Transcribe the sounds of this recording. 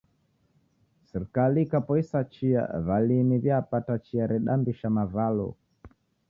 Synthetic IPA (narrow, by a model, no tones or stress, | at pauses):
sɛɾikaliːkapɔisat͡ʃia̰βaliniβjaːpatat͡ʃiaɾɛɗambiʃamavalɔ̰